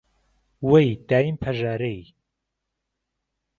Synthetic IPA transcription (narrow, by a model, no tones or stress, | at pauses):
wejd̪aːjimpʰɐʒaːɾej